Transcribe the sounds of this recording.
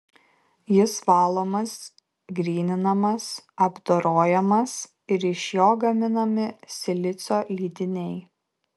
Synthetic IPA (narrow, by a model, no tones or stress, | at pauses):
jɪsʋɑːlˠoːmɐs | ɡɾʲiːnʲɪnɐmɐsɐbd̪oɾoːjɛmɐs | ɪɾɪʃʲjoːɡɐmʲɪnɐmʲɪsʲɪlʲɪt̪sʲoːlʲiːd̪ʲɪnʲɛɪ